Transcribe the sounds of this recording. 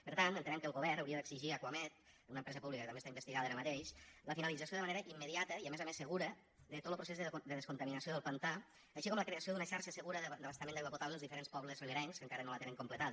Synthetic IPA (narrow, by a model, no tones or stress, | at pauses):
pəɾt̪ant̪ənt̪ənɛmkəlˠɣuβɛɾnəwɾiəðəɡsiʒiakwamɛt̪̚ənunəmpɾɛzəpuβlikəkət̪ɐmbest̪aimbəst̪iɣaðəaɾəmət̪eʃləfinəlid͡zəsjoðəmɐneɾəʔimːəðiat̪əiəmɛzəmesːəɣuɾə | d̪ət̪ot̪l̩pɾusezðəd̪əðəskunt̪əminəsioðəlˠpənt̪a | əʃikɔmləkɾeəsiod̪unəʃaɾʃəsəɣuɾəðd̪əβəst̪əmenɣwaput̪aβləəlˠzðifəɾenspɔβləzələɾɛŋskəŋkaɾənolət̪enəŋkumplət̪að